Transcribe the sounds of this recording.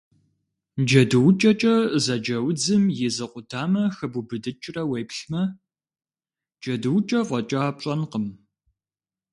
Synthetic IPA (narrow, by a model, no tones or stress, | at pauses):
d͡ʒɐdɨwt͡ʃʼɐt͡ʃʼɐzɐd͡ʒɐwd͡zɨmjɪzɨqʷʊtʰaːmɐxɨbubɨdɨt͡ʃʼrɐwejpɬmɐ | d͡ʒɐdɨwt͡ʃʼɐʁʷɔt͡ʃʼɐːpʈ͡ʂʼɐnqəm